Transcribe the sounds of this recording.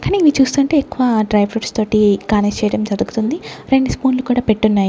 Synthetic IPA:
kaːniːʋit͡ʃuːst̪uːɐɳʈe̞ːekːuʋaːɖɾɐjbɾuʈst̪o̞ːʈikaːnest͡ʃɛːjɐɽɐmd͡ʒɐd̪uɡut̪und̪iɾeɳɖspoːnlukuːɽaːpe̞ʈːunːaːju

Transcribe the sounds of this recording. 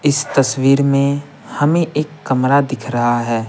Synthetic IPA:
ɪst̪ɐswiːɾmẽ | hɐmẽʔeːkːɐmɾad̪ɪkʰɾɐɦaɦɛː

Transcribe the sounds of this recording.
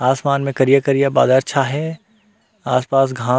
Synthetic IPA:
aːsmaːnmẽkɐɾijakɐɾijaba̰ːd̪aɾʃʰaɦɛ | aːspaːs̬ɡʱãː

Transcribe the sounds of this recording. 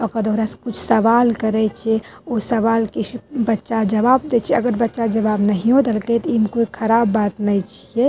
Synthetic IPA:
ɔkəd̪oːɾaskʊt͡ʃʰsəʋalkəɾɛt͡ʃʰɛosəʋalkisbətːʃad͡ʒɐʋaːbd̪et͡ʃʰɛɐɡəɾbətːʃad͡ʒɐʋaːbnəɦiɦod̪elklet̪ɔimkoikʰɐɾaːbːat̪nəit͡ʃʰiɛ

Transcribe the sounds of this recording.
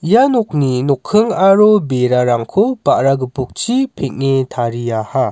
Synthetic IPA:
janɔk̚ninɔkʰːɯŋaɾobeɾaɾaŋkʰopaʔɾaɡɯpuk̚t͡ʃʰipʰek̚ŋetʰaɾijaha

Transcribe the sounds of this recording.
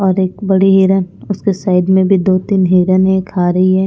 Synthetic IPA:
ɔːɾeːk̚bɐɽiɦiːɾənʊskesaːɪd̪mẽbʱid̪oːt̪iːnɦiːɾənɦɛ̃kʰaːɾɐɦiɦɛː

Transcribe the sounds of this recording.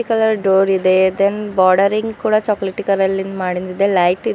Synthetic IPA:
ikɐlɐɾɖoːɾid̪ed̪enbɔːɾɖɐɾiŋɡkuːɽɐt͡ʃɔːkleʈːikɐɾɐlːind̪maːɽind̪id̪elɐjʈi

